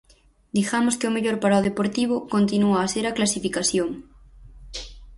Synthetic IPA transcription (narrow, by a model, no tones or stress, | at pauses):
d̪ixamoskeomeʎoɾpaɾaoðepoɾt̪iβ̞okont̪inuaːseɾaklasifikaθjoŋ